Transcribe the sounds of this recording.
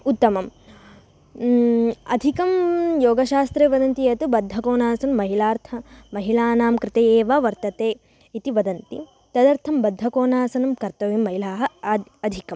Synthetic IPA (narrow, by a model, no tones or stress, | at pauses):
ut̪ːɐmɐm | ɐ̰d̪ʱikɐmjoːɡɐʃaːst̪ɾeːʋɐd̪ɐnt̪ijɐt̪ubɐd̪ʱːɐkoːnaːsɐnmɐɦilaːɾt̪ʰɐmɐɦilaːnaːmkɾɪt̪ɐjeːʋaːʋɐɾt̪ɐt̪eː | it̪iʋɐd̪ɐnt̪ḭ | t̪ɐd̪ɐɾt̪ʰɐmbɐd̪ʱːɐkoːnaːsɐnɐmkɐɾt̪ɐʋimːɐɦilaːɦɐɐd̪ʱikɐm